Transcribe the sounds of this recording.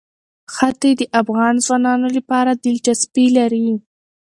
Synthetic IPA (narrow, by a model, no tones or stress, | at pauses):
xat̪ed̪əʔafɣɑnzwɑnɑnolapɑɾad̪ɪlt͡ʃaspilaɾi